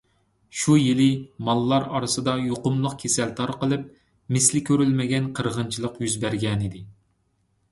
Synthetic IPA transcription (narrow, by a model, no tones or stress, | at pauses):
ʃujilɪmɑlˠːɑɾɑɾɨsɨd̪ɑjoqʊmlˠʊqkʲʰesɛlt̪ʰɑɾqəlˠɨp̚ | mɪslɪkʲʰøɾylmɪɡʲɛnqʰəɾʁənt͡ʃʰilˠəqjyzbæɾɡʲɛnɪd̪ɪ